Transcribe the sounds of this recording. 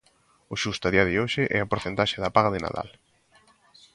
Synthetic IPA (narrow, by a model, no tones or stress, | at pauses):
ʊʃust̪aðiɐðɪoʃɪʔɛ̰ɐpoɾθent̪aʃeðɐpaɣaðɪna̰ða̰l